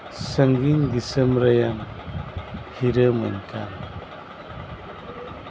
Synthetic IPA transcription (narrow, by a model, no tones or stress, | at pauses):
səŋɡiŋdisəmɾajan | hiɾəma̰nkʰan